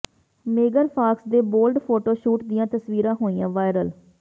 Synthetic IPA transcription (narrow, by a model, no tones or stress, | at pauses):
meːɡəɾpʰaːksd̪eːboːlɖpʰoːʈoːʃuːʈd̪ɪjãːt̪əsʋiːɾãːɦoːijã̰ːʋaːɪɾəl